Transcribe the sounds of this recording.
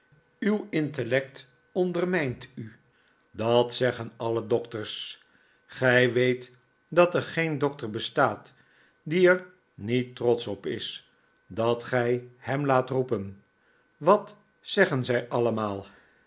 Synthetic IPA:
ywɪntəlɛkt | ɔndərmɛjnty | dɑtsɛχənɑlədɔktəɹs | χɛjʋejt | dɑtɛɹχejndɔk̚təɹbəstaːt | diɛɹ | nitːrɔtsɔpɪ̰s | dɑtχɛjhɛmlaːtrupən | ʋɑt | sɛχənzɛjʔɑləmaːlˠ

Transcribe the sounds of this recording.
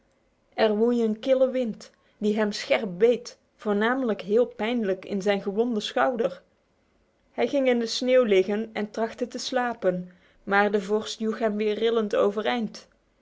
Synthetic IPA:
ʔɛrʋujənkɪləʋɪnt | diɦɛmsxɛɹp̚bejt | fʊːɹnaːmələkɦɪːlˠpɛjndləkɪ̰nzɛjnɣəʋɔndəsxɑwdəɹ | hɛjɣɪŋɪndəsneːwlɪɣənɛntrɑxtətəslaːpən | maːɹdəvɔɹstjuxɦɛmʋɪːɹrːɪlənto̰wvərɛjnt

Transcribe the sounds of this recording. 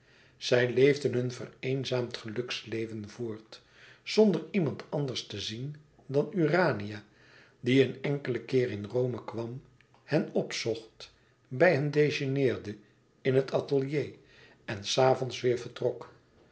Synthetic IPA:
z̥ɛjlejvdənɦɵnvə̰rejnzaːmtχəlɵkslejvənvʊːɹt | z̥ɔndəɹimɑntʰɑndəɹstəzin | dɑnyraːnija | diənɛŋkələkɪːrɪnrowməkʋɑm | hɛnɔpsɔχt | bɛjɦəndejʒənɪːɹdə | ɪnɦətɑtəlˠjej | ɛnsaːvɔnsʋɪːɹvəɹtrɔk

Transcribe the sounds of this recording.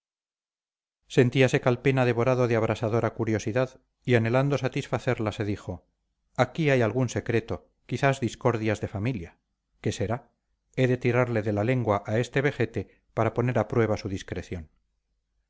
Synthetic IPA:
se̞nt̪iase̞kalpe̞naðe̞βo̞ɾaðoðeaβɾʔasaðo̞ɾakuɾjo̞siðað | iane̞land̪o̞sat̪isfaθe̞ɾlase̞ðixo̞ | akiajalɣunse̞kɾe̞t̪o̞ | kiθazðisko̞ɾðjazðe̞familja | ke̞se̞ɾa | e̞ðe̞t̪iɾaɾle̞ðe̞lale̞ŋɡwaʔae̞st̪e̞βe̞xe̞t̪e̞ | paɾapo̞ne̞ɾapɾwe̞β̞asuðiskɾe̞θjo̞n

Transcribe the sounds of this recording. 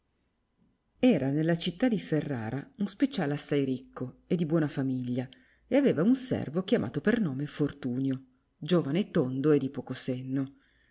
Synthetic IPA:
ɛːɾanelːat͡ʃit̪ːad̪iferːa̰ːɾʔaunspet͡ʃaːleasːajɾikːoed̪ːibwɔːnafamiʎːa | eaveːvaunsɛ̰rvokjamʔa̰ːt̪opernoːmefort̪uːnjo | d͡ʒoːvanoet̪ːond̪oed̪ːipokosenːo

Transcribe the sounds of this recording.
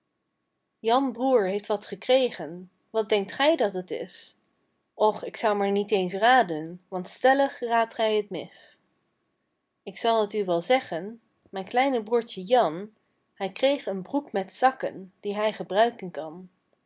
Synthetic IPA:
jɑnbruːɹɦejftʋɑtχəkrejχən | ʋɑt̚dɛŋk̚tχɛjdɑtətɪ̰s | ɔχɪksɑwmaːɹnitejnsraːdənʋɑntstɛləχraːtχɛjɦətmɪs | ɪksɑlˠətyʋɛlˠzɛχən | mɛjnklɛjnəbruːɹtəjɑn | ɛjkrejχənbrukmɛtsɑkə̰nd̥iɦɛjχəbrœɥkənkɑn

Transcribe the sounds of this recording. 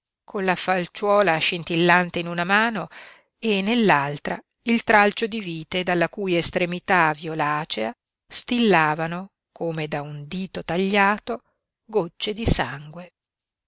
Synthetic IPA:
kʰonlafalt͡ʃwɔːlaʃint̪ilːant̪einunamaːno | enːelːalt̪ɾa̰ | ilt̪ɾalt͡ʃod̪iviːt̪ed̪alːakuːjest̪ɾemit̪avjolaːt͡ʃea | st̪ilːaːvano | kʰoːmed̪aund̪iːt̪ot̪aʎːaːt̪o | ɡot͡ʃːed̪isaŋɡwe

